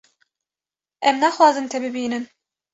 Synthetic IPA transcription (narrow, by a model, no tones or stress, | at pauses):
ɛmnæxwɑːzɨnt̪ʰɛbɨbiːnɨn